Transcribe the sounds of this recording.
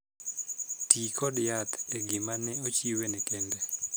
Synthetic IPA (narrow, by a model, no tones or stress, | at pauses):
tikɔdjat̪ɛɡɪmanɛot͡ʃiwenɛkɛndɛ